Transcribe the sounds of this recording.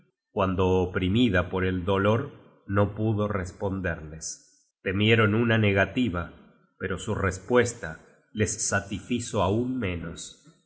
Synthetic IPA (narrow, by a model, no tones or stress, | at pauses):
kwand̪o̞ːpɾimiðapo̞ɾe̞ld̪o̞lo̞ɾ | no̞puðo̞respo̞nd̪eɾles | t̪e̞mje̞ɾo̞nunane̞ɣat̪iβa | peɾo̞surespwe̞st̪a | lesːat̪ifisoaunmẽ̞nos